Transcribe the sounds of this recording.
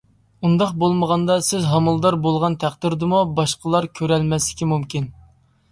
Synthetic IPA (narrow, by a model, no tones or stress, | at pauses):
und̪ɑqbolˠməʁɑnd̪ɑsɪzɦɑmɨlˠd̪ɑɾbolˠʁɑnt̪ʰæχd̪ɪɾd̪ɨmubɑʃqəlˠɑɾkʲʰøɾɛlmɛslɪkʲimumkʲin